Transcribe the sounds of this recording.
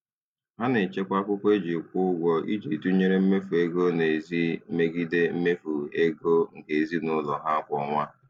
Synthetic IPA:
ɦa˦ne˨t͡ʃe˦kʷa˦kʷʊ˦kʷe˦d͡ʒe˨kʷʊ˦ɡʷɔ˦ḭ˦d͡ʒi˨tu˦ɲe˦ɾe˦m̩˦me˦fu˨e˦ɡo˦ne˨zi˦me˦ɡi˦de˦m̩˦me˦fu˨e˦ɡo˦ŋ̩˨ke˨zi˦nʊ˦lɔ˨ɦa˦a˦kʷɔ˨˦ŋʷa˦

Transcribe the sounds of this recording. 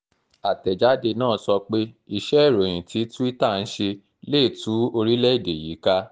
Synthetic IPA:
a˨tɛ˨d͡ʒa˨˦de˧nãː˦˨˦sɔ˧k͡pe˦i˧ʃɛ˦i˦˨ɾõ˨ĩ˨ti˨˦tu˦i˦ta˦˨n̩˦ʃe˧ | leː˦˨tu˨˦o˧ɾi˦lɛ˦i˦˨de˨ji˨˦ka˦

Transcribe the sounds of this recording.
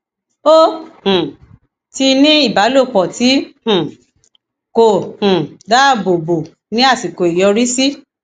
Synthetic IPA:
o˦hũ˨ | ti˧nĩ˦i˦˨ba˨˦lo˦˨k͡pɔ˨ti˨˦hũ˨ | ko˨hũ˨da˦˨bo˨bo˨ | nĩ˦a˦˨si˨ko˨i˨jɔ˧ɾi˦si˦

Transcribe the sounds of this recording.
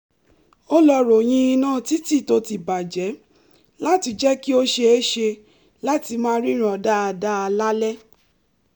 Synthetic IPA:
o˦lɔ˧ɾo˨j̃ĩ˧˦i˧nãː˦˨ti˦ti˦˨to˧ti˨ba˨d͡ʒɛ˨˦ | la˦ti˧d͡ʒɛ˦ki˦o˦ʃe˧e˦ʃe˧ | la˦ti˧mã˦ɾi˦ɾ̃ɔ̃˨da˦a˧da˦a˧la˦lɛ˦

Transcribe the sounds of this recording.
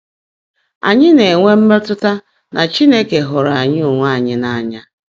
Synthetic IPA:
a̰˨ɲɪ˦ne˨ŋʷe˦m̩˦me˦tʊ˦ta˦ | nʔa˨t͡ʃi˦ne˦ke˨ɦʊ˨ɾa˨ɲɪ˦u˨ŋʷa˦˨ɲɪ˦na˦˨a˨ɲa˦

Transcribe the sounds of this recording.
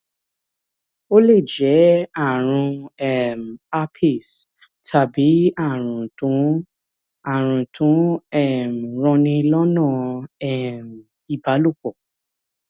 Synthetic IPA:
o˦le˦˨d͡ʒɛ˨˦a˦˨ɾ̃ũ˧ɛ˦˨m̩˨a˧pʰi˦˨s | tʰa˨bi˨˦a˦˨ɾ̃ũ˨tũ˨˦ | a˨ɾ̃ũ˨tʰũ˨˦ɛ˦˨m˨ɾ̃ɔ̃˧nĩ˧lɔ˦nã˦˨ɛ˦˨m˨ | i˨ba˨˦lu˦˨k͡pɔ˨

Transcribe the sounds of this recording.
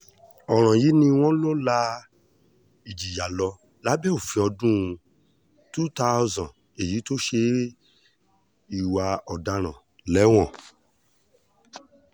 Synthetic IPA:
ɔ˨ɾ̃ã˨ji˨˦nĩ˧w̃ɔ̃˦lo˦la˧ | i˨d͡ʒi˨ja˨lɔ˧ | la˨˦bɛ˦o˦˨fĩ˧ɔ˧dũ˦˧ | tu˦ta˦zã˨ | e˨ji˨˦to˦ʃe˧˦ | i˨wa˧ɔ˨da˧ɾ̃ã˨ | lɛ˨˦w̃ɔ̃˦˨

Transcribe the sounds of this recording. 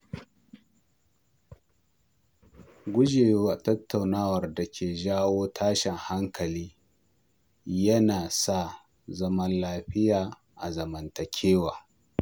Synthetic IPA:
ɡʷʊ˦d͡ʒeː˨joː˦ʔa˨tɐ˦tʰːa˨wnaː˦wɐ˨rdɐ˨kʲʰeː˨ʒaː˦woː˦tʰaː˦ʃɛ˨ŋha˦ŋkɐ˨liː˦ | jɐ˦naː˨sa˦˨ | zɐ˦mɐ˦nlaː˦ɸɪ˦jaː˨ | ʔa̰˨zɐ˨mɐ˨ntɐ˨kʲʰeː˦waː˨

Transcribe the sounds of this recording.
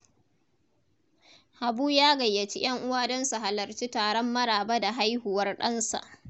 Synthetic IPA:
ha˨buː˦jaː˦ɡɐ˨jːɐ˨t͡ʃi˦j̰ɐ˦ŋʔʊ˦waː˦dɔ˦nsu˨ɦa˨lɐ˨rt͡ʃiː˦taː˨ɽɔ˦mːɐ˦ɽaː˨bɐ˦da˨ɦa˦jhu˨wɐ˦rɗɐ˦nsa̰˨ʔ

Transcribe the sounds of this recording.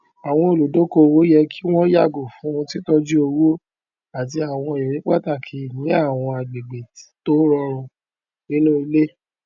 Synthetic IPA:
a˨w̃ɔ̃˧o˨lo˨do˨˦ko˧˦˧wo˨˦jɛ˧ki˦w̃ɔ̃˦ja˦˨ɡo˨fũ˨˦w̃ɔ̃˧ti˦tɔ˦d͡ʒi˦o˧wo˦ | a˨t̬i˧a˨w̃ɔ̃˧˨ɛ˨ɾĩ˨˦k͡pa˦ta˦˨kʰi˨nĩ˨˦a˦˨w̃ɔ̃˧a˨ɡ͡be˨ɡ͡be˨ti̥˨to˦ɾɔ˧ɾ̃ũ˧ | nĩ˦nũ˦i˧le˦

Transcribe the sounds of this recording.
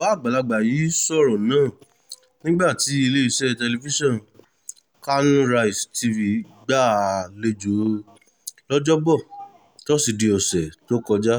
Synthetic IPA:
ba˨˦˨ɡ͡ba˨la˧ɡ͡ba˨ji˨˦sɔ˦˨ɾɔ̃˨nãː˦˨ | nĩ˦ɡ͡ba˦˨ti˨˦i˧le˦i˧sɛ˦˨tɛ˧li˧fi˦ʃɔ̃˦˨n | ka˦nũ˦ɾa˧i˨sti˧vi˧ | ɡ͡ba˦˨le˧d͡ʒo˨˦ | lɔ˦d͡ʒɔ˦bɔ˦˨ | tɔ˦si˨di˧ɔ˨sɛ˨to˨˦kɔ˧d͡ʒa˦

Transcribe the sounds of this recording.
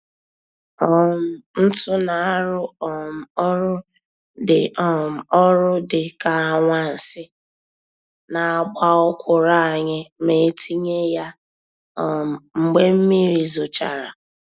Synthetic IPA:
ɔ˦m̩˨n̩˦tʊ˦na˨a˦ɾʊ˦ɔ˨m̩˨ɔ˦ɾʊ˦ | dɪ˨ɔ˦m̩˨ɔ˦ɾʊ˦dɪ˨ka˨a˨ŋʷa˦n̩˨sɪ˦ | na˨a˨ɡ͡ba˦ʊ˦kʷʊ˨ɾa˦a˨ɲɪ˦me˨˦tʰi˦ɲe˦ja˦˨ | ŋ͡m̩˨ɡ͡be˦m̩˦mi˦ɾi˨zʊ˨t͡ʃa̰˨ɾa̰˨

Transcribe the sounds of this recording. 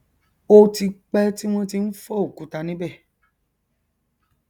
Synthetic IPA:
o˧ti˧k͡pɛ˦ti˦m̃ɔ̃˦ti˧n̩˦fɔ˦o˦˨ku˨˦ta˧nĩ˦bɛ˦˨

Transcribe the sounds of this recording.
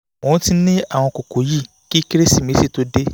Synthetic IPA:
ɔ̃˨˧˦ti˧˦nĩ˦a˦˨w̃ɔ̃˧ko˨ko˨˦ji˦˨ | ki˦ki˦ɾe˦si˦˨mĩ˨˦si˦˨to˨˦de˦

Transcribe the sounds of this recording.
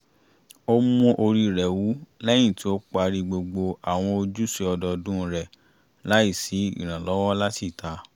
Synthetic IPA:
o˦mũ˦ʔo˧ɾi˧ɾɛ˨wu˨˦lɛ˦j̃ĩ˦˨ti˨˦o˦k͡pa˧ɾi˧ɡ͡bo˧ɡ͡bo˧a˨w̃ɔ̃˧o˧d͡ʒu˦se˧ɔ˧dɔ˧dũ˦ɾɛ˨ | la˨˦i˦˨si˨˦ḭ˦˨ɾ̃ã˨lɔ˨˦wɔ̃˦la˦ti˦˨ta˧

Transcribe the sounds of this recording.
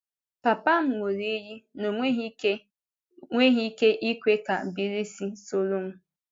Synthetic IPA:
pa˨pa˦ŋ̩˨ŋʷo˨ɾi˦ji˦no˨˦ | ŋʷe˦ɦi˦ke˦ʔi˦kʷe˦ka˨bi˨ɾi˦si˦so˦ɾo˦ŋ̩˦

